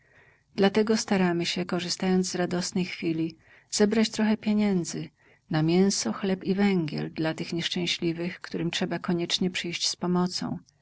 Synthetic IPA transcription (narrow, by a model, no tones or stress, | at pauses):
d̪̥lat̪ɛɡɔst̪aɾamɘɕɛkɔʐɨst̪ajɔnd̪zzɾad̪ɔsnɛjxfʲilʲi | z̥ɛbɾat͡ɕt̪ɾɔxɛpʲjeɲɛnd̪zɘ | namʲjɛw̃sɔxlɛpivɛŋɡʲɛ̰ld̪lat̪ɘxɲɛʂt͡ʂɛ̃w̃ɕlʲivɘxkt̪uɾɘmtʂɛbakɔɲɛt͡ʂɲɛpʂɘjɕt͡ɕspɔmɔt̪sɔ̰̃w̃